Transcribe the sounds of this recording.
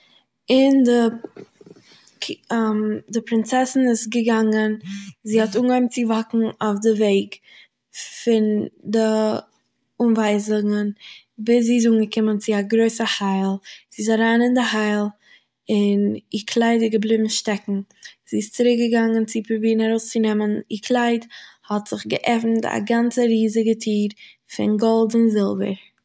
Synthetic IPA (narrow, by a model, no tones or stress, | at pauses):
ɪndɪ | mdɪpɾɪnt͡sɛsn̩ɪsɡəɡaŋənziːhɔtuːnɡɔmt͡sɪvakŋ̩aʊfdɪveɪɡ | fɪndɪ | unvaɪzɪŋən | bɪsziːɪs̬uːŋɡəkɪmənt͡sɪaɡɾoɪsəhaɪlˠz̥iːs̬aɾaːnɪndɪhaɪlˠ | ɪnɪkʰlˠaɪdɪɡəblˠɪbm̩ʃtɛkŋ̩ziːɪst͡sɪɾɪk̚ɡəɡaŋənt͡sɪpubiːnaɾoʊst͡sɪnɛmənɪkʰlˠaɪdhɔtz̥ɪχɡəʔɛfn̩ta̰ɡant͡səɾiːzɪɡətʰiːɾ | fɪ̰nɡɔlˠtɪnzɪlˠvə̰ɾ